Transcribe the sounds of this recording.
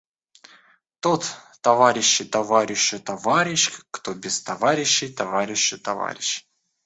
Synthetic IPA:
t̪ot̪ː | ɐvaɾʲɪɕːɪjt̪ɐvaɾʲɪɕːɪt̪ɐvaɾʲɪɕkt̪obʲɪst̪ɐvaɾʲɪɕːɪjt̪ɐvaɾʲɪɕːɪt̪ɐva̰ɾʲɪɕ

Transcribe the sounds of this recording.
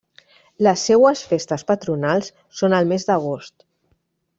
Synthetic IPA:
ləsːewəsfest̪əspət̪ɾunalˠs | sonəlˠmezd̪əɣ̞ost̪

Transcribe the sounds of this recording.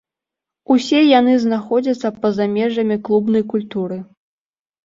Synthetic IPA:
usʲɛjan̪ɨznaxɔd͡zʲɐt̪sːɐpɐzamʲɛʐɐmʲiklˠubnɐjkulʲt̪uɾɨ

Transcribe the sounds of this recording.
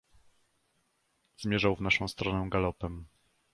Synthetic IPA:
zmʲjɛʐawvnaʂɔ̃w̃st̪ɾɔnɛɡalɔpɛm

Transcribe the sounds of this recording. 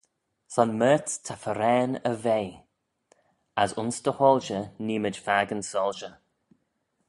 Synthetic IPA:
sɔnmɛːttʰafəɾɛːnəvej | asʊnsdəhɔːlʃəniːməd͡ʒfaːɡənsɔːlˠʃə

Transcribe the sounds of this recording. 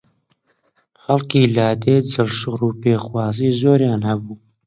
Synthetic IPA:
xɐlkiːlaːd̪eːd͡zɨɾʃɨɣruːpeːxwɑːziːzoːɾjaːnhɐbuː

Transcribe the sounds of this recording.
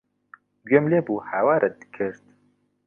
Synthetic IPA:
ɡømleːbuːhawaːɾɛd̪ɨ̥kʰɨɾt̪̚

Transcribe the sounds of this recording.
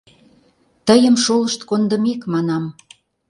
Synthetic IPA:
t̪əjəmʃoləʃt̪kond̪ə̆mekmɑnɑm

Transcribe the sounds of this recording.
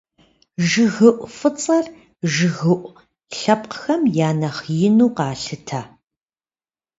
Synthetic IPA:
ʒɨɣɨʔʷfɨt͡sʼɐr | ʒɨɣɨʔʷ | ɬɐp̚qxɐmjaːnɐχjɪnuːqɑːɬɨtʰaː

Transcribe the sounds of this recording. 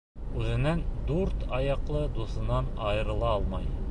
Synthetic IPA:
ʉzɘ̆nænd̪uɾt̪ɑjɑqlˠɤd̪usɤ̆nɑnɑjɤ̆ɾɤ̆lˠɑɑlˠmɑj

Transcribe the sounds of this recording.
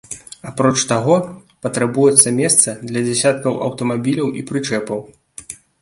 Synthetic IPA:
apɾɔt͡ʂt̪aɣɔ | pɐt̪ɾabujɛt̪sːɐmʲɛst̪sɐd̪lʲɐd͡zʲɛsʲat̪̚kɐwʔɐ̰wt̪ɐmabʲilʲɐwʔḭpɾɨt͡ʂɛpɐw

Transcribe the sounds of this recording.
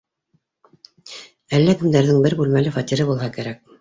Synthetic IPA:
ælːækɘ̆md̪æɾðɘŋbɘɾbʉlmælɘfɑt̪ʲiɾɘbulˠɦɑkæɾæk̚

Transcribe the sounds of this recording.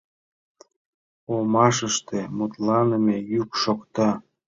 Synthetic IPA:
omɑʃəʃt̪emut̪lɑnemejykʃokt̪ɑ

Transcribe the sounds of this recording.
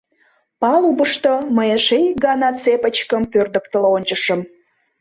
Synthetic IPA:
pɑlubəʃt̪oməjəʃejɡɑnɑt͡sepət͡ɕkəmpørd̪ək̚t̪əloonʲt͡ɕəʃə̆m

